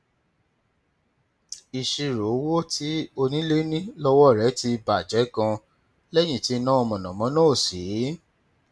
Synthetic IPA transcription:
i˨ʃi˧ɾo˨˦wo˦tʰi˨˦o˧nĩ˦le˦nĩ˦lɔ˦wɔ˦˨ɾɛ˨˦ti˧ba˨d͡ʒɛ˨˦kã˧ | lɛ˦j̃ĩ˦˨ti˨˦˧nã˦ɔ˧mɔ̃˨nã˨mɔ̃˨˦nã˦o˦˨si˨˦

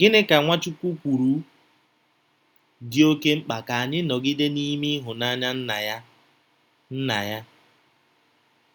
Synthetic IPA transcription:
ɡɪ˦nɪ˦ka˨ŋʷa˦t͡ʃu˦kʷu˦kʷu˨ɾu˨˦ | dɪ˦o˦ke˦ŋ͡m̩˦k͡pa˨ka˨a˨ɲɪ˦nɔ˨ɡɪ˦de˦ni˦mi˦ɦʊ˨na˦ɲa˦n̩˦a˨ja˦ | n̩˦na̰˨ja˦

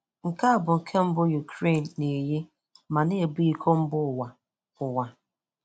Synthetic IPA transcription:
ŋ̩˨ka˦a˦˨bʊ˨ŋ̩˨kʰe˦m̩˦bʊ˦ju˨kɾe˦˨nː˨e˨je˦ | ma˨ne˦˨bi˦kʰo˦m̩˦bʊ˦˨wa˨ | ʊ˨wa˨

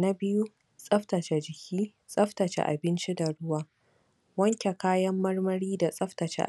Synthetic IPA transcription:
na˦bɪ˦ju˦ | sʼɐ˦ɸtɐ˨t͡ʃe˨d͡ʒɪ˨kʲiː˦ | sʼɐ˦ɸtɐ˨t͡ʃḛ˦ʔa̰˨bɪ˦nt͡ʃi˦da˨ɽʊ˦waː˦ | wɐ˦ŋkʲe˨kaː˦jɐ˦mːɐ˦rmɐ˦ɽiː˦da˨sʼɐ˦ɸtɐ˨t͡ʃḛ˦ʔ

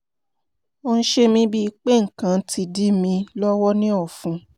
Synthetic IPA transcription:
o˧n̩˦ʃe˦mĩ˦bi˦i˧k͡pe˦˨ŋ̩˨kã˨˦ti˧di˦mĩ˧lɔ˦wɔ˦nĩ˦ɔ˦˨fũ˧˦

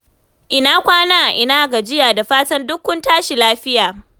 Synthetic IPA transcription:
ʔɪ˨naː˦kʷaː˦naː˦ʔʔɪ˨naː˦ɡa˨d͡ʒɪ˦jaː˨da˨ɸaː˦tɐ˦ndʊ˦kʷːʊ˦ntaː˦ʃi˨laː˦ɸɪ˦jaː˨

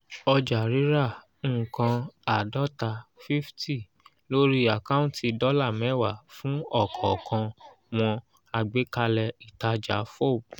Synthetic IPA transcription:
ɔ˧d͡ʒa˨ɾi˨˦ɾã˦˨˦ | kã˧a˨dɔ˦ta˧fi˦fti˦˨ | lo˦ɾi˦a˨ka˦ũ˦ti˧dɔ˦la˦˨mɛ̃˨˦˨wa˨fũ˨˦ɔ˦˨kʰɔ˨kʰã˧ | w̃ɔ̃˧ | a˧ɡ͡be˨˦ka˧lɛ˧i˨ta˧d͡ʒa˨˦fo˦˨b̚

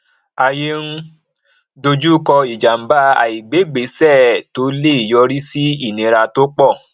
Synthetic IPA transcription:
a˧je˦n̩˦ | do˧d͡ʒu˦kɔ˧i˨d͡ʒa˨m̩˨˦ba˦a̰˨i˨ɡ͡be˨˦ɡ͡be˨˦sɛ˦˨to˦le˦i˨jɔ˧ɾi˦si˦i˦˨nĩ˨˧˦ɾa˧to˦k͡pɔ˦˨

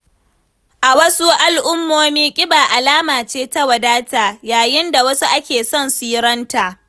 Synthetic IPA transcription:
ʔa˨wɐ˦su˦ʔa˨lʔʊ˦mːoː˦miː˦kʲʼɪ˦baː˨ʔa˨laː˦maː˨t͡ʃeː˦ta˦wɐ˨daː˦ta˨jaː˨jɪ˦nda˨wɐ˦su˦ʔa˦kʲeː˨sɔ˦˨nsiː˦ɾɐ˦nta˨ʔ

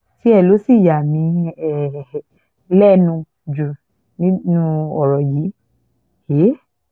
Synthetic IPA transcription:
ti˨˦ɛ˦˨lo˨˦si˦˨ja˨mĩ˨˦ɛ˦˨ | lɛ˦nũ˧ | d͡ʒu˨ | nĩ˦nũ˦ɔ˨ɾɔ˨ji˨˦ | he˨˦

